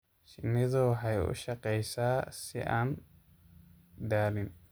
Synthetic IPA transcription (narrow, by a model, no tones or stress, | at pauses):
ʃɪnɪðɔɦɐjɔ̰ʃɐqɛjsaːsɪ̰ʔan | d̪aːlɪn